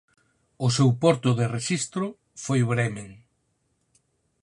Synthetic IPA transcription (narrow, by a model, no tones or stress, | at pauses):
ʊsewpɔɾt̪ʊðereʃist̪ɾʊ | fojβɾɛmeŋ